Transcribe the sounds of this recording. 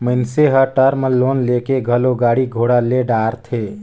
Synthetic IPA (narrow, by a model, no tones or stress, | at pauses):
məɪnseɦəʈəɾmelonlekeɡʱəloɡaɽiɡʱoɽaleɖaɾt̪ʰe